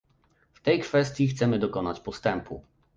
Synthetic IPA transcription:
ft̪ɛjkfɛst̪ʲjixt̪sɛmɘd̪ɔkɔna̰t͡ɕpɔst̪ɛmpʰṵ

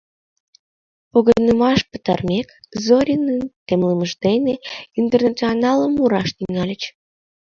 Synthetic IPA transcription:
oɣənəmɑʃpə̥t̪ɑrmʲekzoɾʲinənt̪emləməʒd̪eneint̪ernat͡sionɑləmuɾɑʃt̪iŋɑlʲət͡ɕ

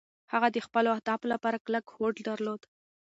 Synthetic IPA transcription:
haɣad̪əxpəloahd̪ɑblapɑɾaklakhoɖd̪aɾlod̪

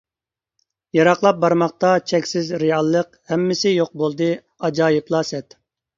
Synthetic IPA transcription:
jɑɾɑqlˠɑp̚bɑɾmɑχ̚t̪ɑt͡ʃʰɛkʲsɪzɾejɑlˠːəqhɛmːɪsɪjoq̚bolˠd̪ɨ | ɑd͡ʒɑːjiplˠɑsɛt̪

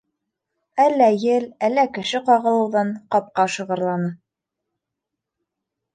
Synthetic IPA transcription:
ælːæjɘlælːækɘ̆ʃɘqɑʁɤ̆lˠɤ̆wðɑɴqɑp̚qɑʃɤ̆ʁɤ̆ɾlˠɑnɤ

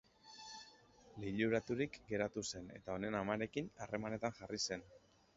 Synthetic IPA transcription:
liʎuɾat̪uɾikɡe̞ɾat̪use̞ne̞̰t̪ao̞ne̞namaɾe̞kinare̞mane̞t̪anʝarise̞n

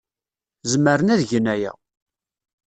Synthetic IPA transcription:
zməɾənæðʝənæjæ̰

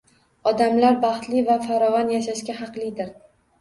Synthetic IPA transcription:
ɒd̪amlaɾbɑχt̪lɪvafaɾɒvɒnjaʃaʃkʲahɑqlˠɪd̪ɪɾ

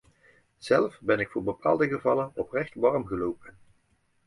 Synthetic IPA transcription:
z̥ɛlfbɛnɪkfʊːɹbəpʰa̰ːlˠdəɣəvɑlənɔprɛχtʋɑɹmɣəlowpən

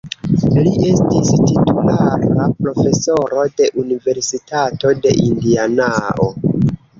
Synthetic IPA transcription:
lie̞stistitulaɾapɾo̞fe̞so̞ɾo̞de̞ʔunive̞ɾsitʰato̞de̞̰ʔindianaʔo̞

